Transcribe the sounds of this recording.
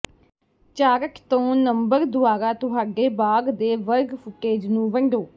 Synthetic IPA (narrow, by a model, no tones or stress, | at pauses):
t͡ʃaːɾəkt̪õːnəmbəɾd̪ʊaːɾaːt̪ʊɦaːɖeːbaːɡd̪eːʋəɾɡfʊkeːd͡ʒnũːʋəɳɖoː